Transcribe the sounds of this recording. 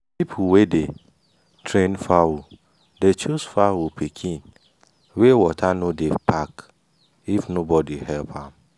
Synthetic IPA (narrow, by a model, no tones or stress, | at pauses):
pipʰuwede | tʰɾẽnfawu | det͡ʃusfawupʰikʰĩn | wewɔtʰanõdepʰak | ifnobɔdihɛlpʰãm